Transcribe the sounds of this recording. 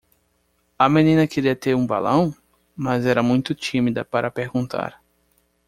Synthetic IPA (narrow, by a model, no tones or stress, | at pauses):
ɐmẽnĩnɐkeɾiɐt̪eɾũba̰lɐ̃w̃ | mɐzɛɾɐmũj̃t̪ʊt͡ʃĩmid̪ɐ̰paɾʔɐpeɾɡũnt̪ʰa̰ɾ